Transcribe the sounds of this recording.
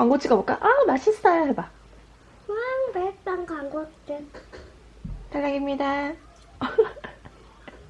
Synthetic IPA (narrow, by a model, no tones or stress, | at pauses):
kwaŋɡot͡ɕʰiɡabok͈a̰ʔanaɕʰisʰɯ̥ajoɦeba | waŋbet͈aŋkwaŋɡot͡ɕ͈ɯn | taɭːaɡimɲida